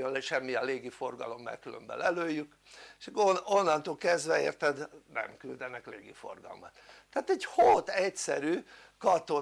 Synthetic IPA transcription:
onlɛʃɛmːiɒleːɡifo̞rɡɒ̰lo̞mːɛ̰rkylø̰mbɛ̰lɛløːjːyk | ʃonːɒnt̪oːlkɛzd̪ʋɛḛːrt̪ɛd̪nɛ̰mkyld̪ɛnɛkleːɡḭfo̞̰rɡɒ̰lmɒt̪ːæːt̪ɛɟhot̪ɛcsɛ̰ɾyː | kɒt̪o̞

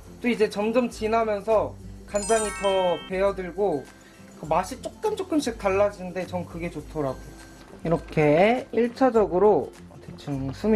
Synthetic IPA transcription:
t͈oid͡ʑe̞t͡ɕʌmd͡ʑʌmt͡ɕinamjʌnsʰʌkandaɲitʌpe̞ʌdɯɭɡo | kɯmaɕʰit͡ɕ͈ok̚k͈ɯmt͡ɕ͈ok͈ɯmɕ͈ʰik̚taɭːad͡ʑinnde̞t͡ɕʌŋkɯɡe̞t͡ɕotʰʌɾaɡo | iɾʌkʰe̞iɭt͡ɕʰad͡ʑʌɡɯɾo | tʰet͡ɕʰɯŋsʰum

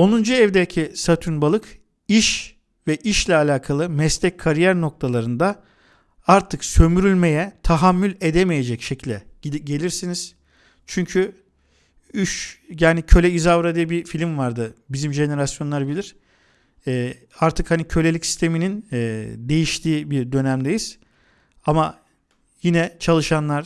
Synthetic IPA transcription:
o̞nund͡ʒuɛvd̪ecʰisat̪ʰunbalˠɯk | iʃ | vɛʔiʃlʲɛalʲaːkʰalˠɯmɛslʲɛc̚kʰaɾijæɾno̞k̚t̪ʰalˠaɾɯnd̪a | aɾt̪ʰɯksø̞myɾylʲme̞jɛt̪ʰaɦamːylʲe̞d̪emeje̞d͡ʒɛcʃecʰilʲd̪ɛɟe̞lʲiɾsiniz̥ | t͡ʃʰyɲcʰy | yʃjaːnicʰø̞lʲɛizavɾad̪ɯjbifilʲimvaɾd̪ɯbizimʒe̞ne̞ɾasjo̞nlˠaɾbilʲiɾ̥ | ɛː | aɾt̪ʰɯkhanicʰø̞lʲeicsi̥st̪ʰe̞mininːd̪e̞jiʃt̪ʰiːbiɾd̪ø̞næmd̪ejiz̥ | ama | jinɛt͡ʃʰalˠɯʃanlˠaɾ

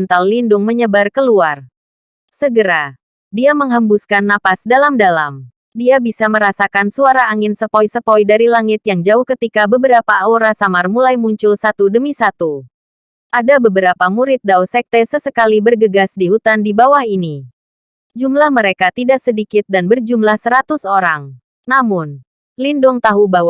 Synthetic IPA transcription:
ənt̪allindʊŋməɲəbarkəluar | səɡəɾa | diaməŋɦəmbuskanːapasdalamdalam | diabisaməɾasakansuaɾaːŋɪnsəpɔjsəpɔjdaɾilaŋɪt̪̚jaŋd͡ʒaʊhkət̪ikabəbəɾapaaoɾasamarmulajmuɲt͡ʃʊlsat̪udəmisat̪u | ʔadabəbəɾapamuɾɪt̪̚dausɛk̚t̪ɛsəsəkalibərɡəɡasdiɦut̪andibawahini | d͡ʒumlahməɾekat̪idaʔsədikɪt̪̚danbərd͡ʒumlahsəɾat̪usoɾaŋ | namʊn | lindʊŋt̪aɦubaw

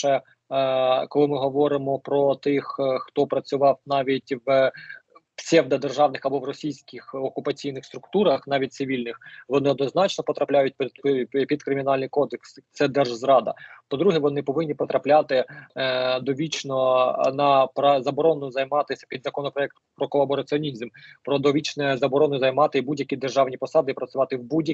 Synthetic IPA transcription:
ʃɛ | kɔlˠɪmɪɦɔʋɔɾɪmɔpɾɔt̪ɪxxt̪ɔpɾɐt͡sʲʊʋɑwnɑʋʲitʲʋ | sʲɛwd̪ɐd̪erʒɑwnɪxɐbɔʋrɔsʲijsʲkɪxɔkʊpɐt͡sʲijnɪxst̪ɾʊkt̪uɾɐxnɑʋʲit̚ʲt̪sɪʋʲilʲnɪxʋɔnɪɔd̪nɔznɑt͡ʃnɔpɔt̪ɾɐplʲajʊt̚ʲp̪pʲid̪̚kɾɪmʲinɑlʲnɪjkɔd̪eksɪt̪sɛd̪ɛrʒzɾɑd̪ɐ̰pɔd̪ɾuɦɛʋɔnɪpɔʋɪnʲːipɔt̪ɾɐplʲat̪ɪ | d̪ɔʋʲit͡ʃnɔnɐpɾɐzɐbɔɾɔnʊzɐjmɑt̪ɪsʲɐ̥pʲid̪zɐkɔnɔpɾɔɛk̚t̪pɾɔkɔlˠɐbɔɾɐt͡sʲiɔnʲizmpɾɔd̪ɔʋʲit͡ʃnɛzɐbɔɾɔnʊzɐjmɑt̪ɪbudʲjɐkʲid̪erʒɑwnʲipɔsɑd̪ɪipɾɐsʲʊʋɑt̪ɪwbudʲjɐ

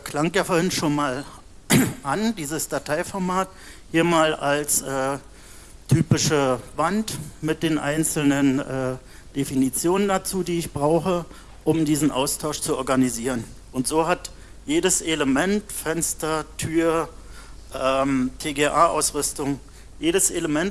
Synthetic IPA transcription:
kʰl̥aŋjaːfoːɐɪnʃoːnmaːl | ʔandiːzəsd̥atʰaɪfɔɐmaːt | hiːɐmaːlalsʔɛː | tʰyːpɪʃəvantmɪt̚d̥eːnʔa̰ɪnt͡sl̩nənʔɛː | d̥efinit͡sjoːnəndat͡suːdiːɪçb̥ʁaʊxə | ʔʊmdiːzn̩ʔa̰ʊstʰaʊʃt͡suɔɐɡaniziːʁən | ʔʊntz̥oːɦat | jeːɾəseləmɛntfɛnstɐtʰyːɐ | ʔɛmtʰeːɡeːʔaːʔa̰ʊsʁʏstʊŋ | jeːɾəsʔeləmɛnt

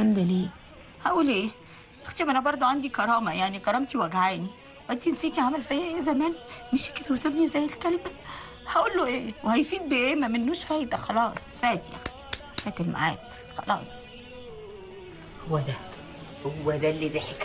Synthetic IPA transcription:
ʔænd̪æleː | hæʔuːlʔeː | ʔext̪iʔænæbɑɾˤd̪ˤoʕand̪ikɑɾˤɑːmæjaʕnikɑɾˤɑːmt̪iwʔæɡʕaːni | wʔæt̪insiːt̪iʕamælfæjʔeːzæmæːnmeʃked̪æwesæbnizæjːelkælmæ | hæʔuːlːoʔeːwehæjfiːd̪̚beʔeːmæmenːuːʃfæːd̪æxɑlɑːsˤfæːt̪ijʔæ̰xt̪i̥ | fæːt̪elma̰ʕa̰ːt̪ | xɑ̰lɑ̰ːsˤ | howːæd̪æ | howːæd̪ælːid̪eħek

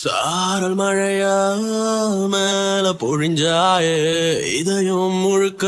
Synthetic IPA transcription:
saː | ɾɐlmɐɻɐjaː | lmelɐpɔɻɪɲd͡ʒaːje | ɪ̰ðɐjɯmːʊɻɯkːɐ

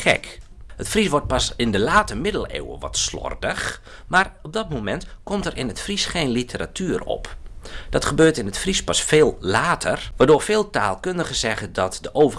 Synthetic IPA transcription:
xɛ̰k | hətfris̬ʋɔrt̚pasɪndəlaːtəmɪdəlˠḛːwə̰ʋɔ̰tslɔ̰rdəx | marɔb̚dɔt̚momɛntkɔmtərʔɪnətfrisχeːnlitʰəra̰tʰyːrɔ̰pd̥ɔtχəbøːtɪnətfrispɔsfeːlˠlaːtʰə̰rʋaːdoːrfeːlˠtaːlˠkøndəɣəzɛɣədɔtdəʔoːvə

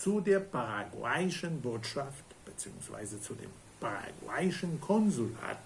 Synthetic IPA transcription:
t͡sudeːɐpʰaʁaɡwaɪɪʃənvʊɐtʃaftb̥ət͡sḭːʊ̰ŋsv̥a̰ɪzət͡sudḛːm | pʰaʁa̰ɡwa̰ɪʃənkʰɔnzula̰ːt

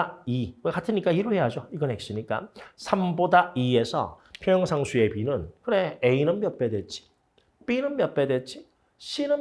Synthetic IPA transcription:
iwekatʰɯɲik͈aiɾɯɭhe̞jad͡ʑoiɡʌnɦe̞k̚s͈ɯɲik͈a̰sʰambodaie̞sʰʌ̰pʰjʌjʌŋsʰaŋsʰue̞pinɯnkɯɾeeinɯmpjʌp͈e̞dwet͡ɕ͈ʰi̥ | p͈inɯnpjʌp͈edwet͡ɕ͈i | ɕʰinɯ

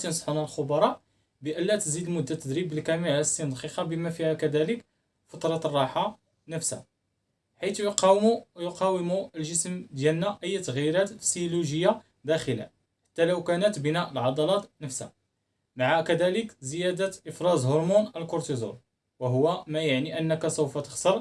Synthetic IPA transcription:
t̪insˤħunælxʊbɑɾˤɑʔ | bəʔəlːæt̪əzid̪lmʊd̪ːat̪ːəd̪ɾibəlkæmiʕst̪ːənd̪qiqɑbəmæfihækæd̪ælək | fɑt̪ˤɾˤɑt̪rˤːɑħa | nəfsæ̰ | ħijt̪jqjqɑwəmuəlʒəsmd̪jælnæʔəjːt̪əɣjiɾæt̪siluʒəjːa | d̪æxəlæ̰ | ħḁt̪ːæləwkænət̪bənæʔəlʕɑd̪ˤɑlɑt̪nəfsha̰ | maʕakæd̪æləkzəjæd̪əʔəfɾˤɑzhoɾmunʔəlkʊɾt̪izṵɾ | wəɦʊwːæmæjaʕniʔənːəkæsəwfæt̪ə̥xsəɾˤ

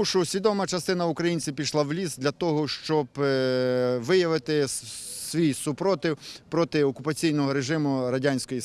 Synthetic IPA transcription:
uʃʊsʲʋʲid̪ɔmɐt͡ʃɐst̪ɪnɐʊkɾɐjinʲt͡sʲiwpʲiʃlˠawlʲizd̪lʲɐt̪ɔɦɔʃt͡ʃɔb | ʋɪjɐʋɪt̪ɪsʋʲijsʊpɾɔt̪ɪwpɾɔt̪ɪɔkʊpɐt͡sʲijnɔɦɔɾeʒɪmʊɾɐdʲanʲsʲkɔji

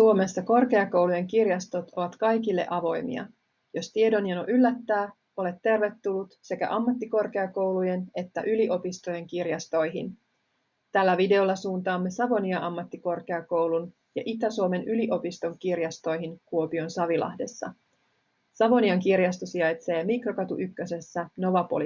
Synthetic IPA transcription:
suo̞me̞sːɑko̞rke̞ɑko̞wluje̞ŋkirjɑst̪o̞t̪o̞ʋɑt̪kɑjkilːe̞̰ʔɑʋo̞jmḭɑ̰ | jo̞st̪ie̞do̞njɑno̰ʔylːæt̪ːæː | o̞le̞t̪ːe̞rʋe̞t̪ːulːut̪se̞kæ̰ʔɑmːɑt̪ːiko̞rke̞ɑko̞wluje̞ne̞t̪ːæ̰ʔyliʔo̞pist̪oje̞ŋkirjɑst̪o̞jɦḭn | t̪ælːæʋide̞o̞lːɑsuːnt̪ɑːmːe̞sɑʋo̞niɑʔɑmːɑt̪ːiko̞rk̟e̞ɑko̞wlun | jɑ̰ʔit̪æsuome̞nʔyliʔo̞pist̪o̞ŋkirjɑst̪o̞jɦiŋkuo̞pio̞nsɑʋilɑ̰hde̞sːɑ̰ | sɑʋo̞niɑŋkirjɑst̪osiɑjt̪se̞ːmikrokɑt̪uʔykːøse̞sːæno̞ʋɑpo̰l

